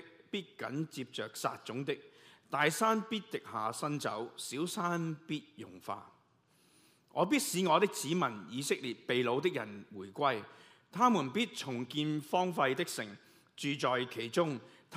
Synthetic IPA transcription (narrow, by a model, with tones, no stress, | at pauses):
piː˥t̚kɐ̰˨˥nt͡siː˧p̚t͡ʃœː˨k̚sa̰ː˧t̚t͡ʃʊ˨˥ŋt̪ɪ˥k̚t̪aː˨jsaː˥npiː˥t̚t̪ɪ˨k̚haː˨sɐ˥nt͡sɐ̰˨˥wsiː˨˥wsaː˥npiː˥t̚jʊ˨˩ŋfa̰ː˧ | ŋʔɔː˨˧p̬iː˥t̚siː˨˧˥ŋɔː˨˧t̪ɪ˥k̚t͡siː˨˥mɐ˨˩njiː˨˧sɪ˥k̚liː˨˩t̚pe˨jlo˨˧wt̪ɪ˥k̚jɐ̰˨˩nwuː˨˩jkʷɐ˥j | t̪ʰaː˥muː˨˩npiː˥t̚t͡sʰʊ˨˩ŋkiː˧nfɔː˥ŋfɐ˧jt̪ɪ˥k̚sɪ̰˨˩ŋ | t͡ʃyː˨t͡sɔː˨jkʰe˨˩jt͡sʊ˥ŋt̪ʰ